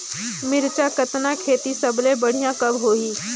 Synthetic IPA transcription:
mɪɾt͡ʃakɐt̪nakʰeːt̪isɐblẽbɐɽ̤ijãkɐbɦoːiː

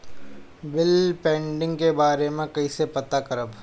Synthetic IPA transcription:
bɪlpẽːɳɖɪ̃ŋɡkebaːɾemẽkɐisepɐt̪akɐɾəb

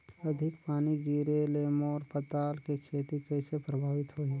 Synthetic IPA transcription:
ɐd̪ʱɪkpaːnid͡ʒiːɾeleːmɔːɾpət̪aːlkekʰeːt̪ikɛːsepɾəbʱaːʋɪt̪ɦoːi

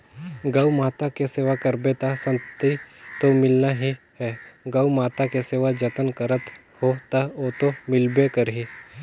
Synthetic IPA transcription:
ɡaːumaːt̪akeseːʋakəɾbet̪asə̃nt̪it̪omɪlnaɦi | hɛɡaːumaːt̪akeseːʋad͡ʒət̪ənkəɾət̪ | hot̪aot̪omɪlbekəɾɦi

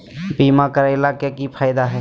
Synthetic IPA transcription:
biːmakəɾaɪlakekipʰaːɪd̪aɦɛː

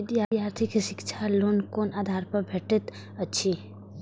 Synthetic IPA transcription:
d̪jajaːɾt̪ʰɪkiʃɪkt͡ʃʰaloːnkoːnaːd̪ʱaːɾpɐɾbʱeːʈət̪ | ɐtːʃʰi

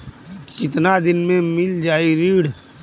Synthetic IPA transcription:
kɪt̪nad̪ɪnmẽmɪld͡ʒaːiɾiːɽ

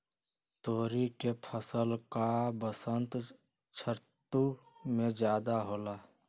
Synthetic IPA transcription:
t̪oːɾikepʰəsəlkabəsənt̪ | t͡ʃʰəɾtt̪umẽd͡ʒjaːd̪aɦoːlaː

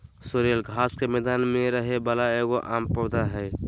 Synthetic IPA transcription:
soɾəlɡʱaːskemɛːd̪aːnmẽɾəɦebəlaeɡoʔaːmpəd̪aɦɛː

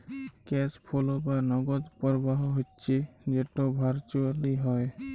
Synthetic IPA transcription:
kɛspʰolɔbanɔɡɔt̪pɔɹbaɦɔɦotːt͡ʃʰid͡ʒɛtɔbʱaɾt͡ʃualiɦɔj

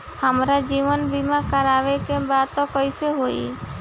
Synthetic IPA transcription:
həmɾad͡ʒiʋənbimakəɾaʋekebat̪ɔkɔjseɦoḭ

